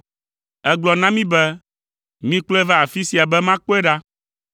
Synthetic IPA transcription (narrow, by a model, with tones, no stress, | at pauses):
ɛ˦ɡ͡blɔ˨nã˦mĩ˦bɛ˦ | mĩ˦k͡plo˦ɛ˦va˦a˨fi˦si˨a˨bɛ˦mã˦k͡po˦e˦ɖa˦